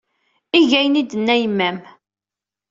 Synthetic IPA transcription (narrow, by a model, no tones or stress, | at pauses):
iʝæjənid̪ənːæjəmːæm